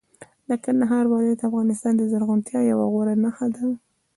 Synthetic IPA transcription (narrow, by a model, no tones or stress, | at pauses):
lakand̪aɦɑɾwɑljat̪afɣɑnɪst̪ɑnd̪əzaɾɣunt̪jɑjawa̰ɣoɾanaxad̪a